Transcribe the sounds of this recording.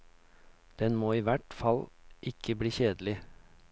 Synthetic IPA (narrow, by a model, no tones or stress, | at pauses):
d̪̥ɛnmoːiːʋæʈfɑlʔɪkʰəbɽiːçeːd̪l̩ɪ